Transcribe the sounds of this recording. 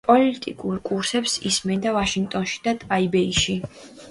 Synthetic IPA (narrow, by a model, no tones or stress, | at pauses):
pʼɔlit̪ʼḭkʼuɾkʼuɾsɛpsismɛnd̪avaʃiŋɡt̪ʼɔnʃi̥d̪̥at̪ʼaibɛiʃi